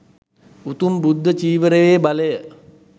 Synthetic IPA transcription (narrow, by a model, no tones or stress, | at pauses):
ut̪umbud̪ʱːət͡ʃiːʋəɾeʋeːbaləjə